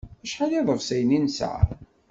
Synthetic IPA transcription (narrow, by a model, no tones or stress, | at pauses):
æʃħaliðˤəvsæjninsʕ̰